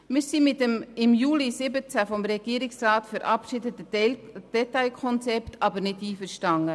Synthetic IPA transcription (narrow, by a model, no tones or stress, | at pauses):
mɪːɾsimɪtəmɪmjuːlisɪbət͡sæfɔmɾɛɡ̥iəɾɪksrɑːtfəɾʔɑpʃɪdətəd̥ɛtaɪlkʰɔnt͡sɛptʰɑbəɾnɪdiːfəɾʃtɑŋə